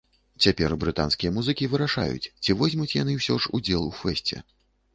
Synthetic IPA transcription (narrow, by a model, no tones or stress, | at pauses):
t͡sʲapʲɛrbɾɨt̪a̰nskʲijɐmuzɨkʲivɨɾaʂa̰jṵt͡sʲt͡sʲivɔzʲmut͡sʲjanɨwsʲɔʐud͡zʲɛlˠufɛsʲt͡sʲɛ̰